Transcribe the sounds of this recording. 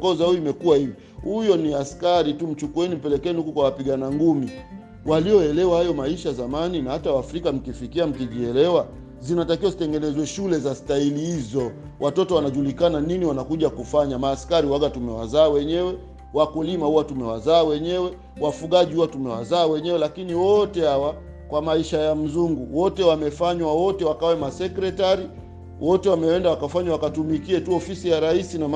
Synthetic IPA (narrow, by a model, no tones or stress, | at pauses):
ɔzauiimɛkuwahivi | hujɔniaskaɾitum̩t͡ʃukuɛnim̩pɛlɛkɛɛnihukukwawapiɠanaŋɡumi | walijɔɛlɛwahajɔmaiʃazamaninahatawafɾikam̩kifikiam̩kiʄiɛlɛwa | zinatakiwazitɛŋɡɛnɛzwɛʃulɛzastailihizɔ | wʔatɔtɔwanaʄulikananiniwanakuʄakufaɲamaːskaɾiwaɡatumɛwa̰zaːwɛɲɛwɛ | wakulimahuwatumɛwa̰zaːwɛɲɛwɛ | wafuɠaʄihuwatumɛwa̰zaːwɛɲɛwɛlakiniwɔtɛhawa | kwamaiʃajam̩zuŋɡuwɔtɛwamɛfaɲwawɔtɛwakawɛmasɛkɾɛtaɾi | wʔɔtɛwamɛwɛndawakafaɲwawakatumikiɛtuɔfisijaɾaisinam